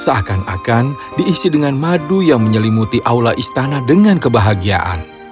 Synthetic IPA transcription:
səakana̰kan | diːsidəŋanmadujaŋməɲəlimut̪iʔawlaʔist̪anahdəŋankəbaɦaɡia̰ʔa̰n

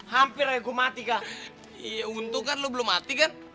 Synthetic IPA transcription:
hampiɾajkumat̪ika | aunt̪ukanlobəlomːat̪ikan

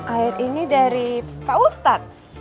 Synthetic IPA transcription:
ʔaɪɾinidaɾipaust̪at̪̚

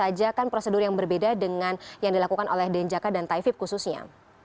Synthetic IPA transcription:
ad͡ʒakanpɾosədʊrjaŋbərbedadəŋanjaŋdilakukanʔolɛhdɛɲd͡ʒakadant̪aifɪp̚kususɲa̰

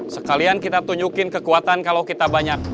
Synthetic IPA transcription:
səkaliankit̪at̪uɲd͡ʒukɪnkəkuat̪ankalawkit̪abaɲak̚

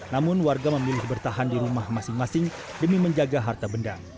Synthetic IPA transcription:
namʊnwarɡaməmilɪhbərt̪aɦandiɾumahmasɪŋmasɪŋ | dəmiməɲd͡ʒaɡaɦart̪abənda

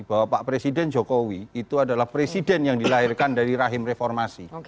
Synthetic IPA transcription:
b̥awapaʔpɾesidɛnd͡ʒokowiːt̪uadalahpɾesidɛnjaŋdilaɦɪrkandaɾiɾaɦɪmrefɔrmasi

